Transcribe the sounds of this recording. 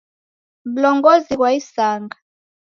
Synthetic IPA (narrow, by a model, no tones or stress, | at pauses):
ɓulɔŋɡɔzik̬waisaːŋɡa